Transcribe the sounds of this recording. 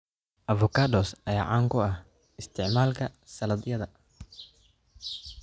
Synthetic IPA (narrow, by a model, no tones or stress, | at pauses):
ʔɐvʊkʰaːd̪ɔːsɐjaːʕaːŋkʰʊɐh | ɪst̪ʰɪʕmaːlkʰɐsɐlɐd̪jɐðɐ